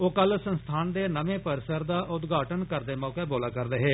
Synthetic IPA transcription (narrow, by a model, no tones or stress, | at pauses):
oːkəlsənst̪ʰaːnd̪eːnəʋẽːpəɾɪsəɾd̪aːʔʊt̪ɡaːʈənkəɾd̪eːmɔːkeːboːlaːkəɾd̪eːɦeː